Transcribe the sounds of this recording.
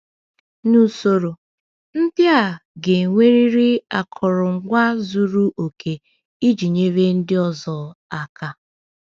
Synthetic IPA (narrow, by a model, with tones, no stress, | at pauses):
nu˨so˨ɾo˨ | n̩˦bja˦˨ɡe˨ŋʷe˦ɾi˦ɾi˦a˨kʰʊ˨ɾʊ˨ŋ̩˦ɡʷa˦zu˦ɾu˦ʔo˨kʰe˨ | i˦d͡ʒi˨ɲe˦βe˦n̩˦dɪ˦ɔ˦zɔ˨a˨ka˨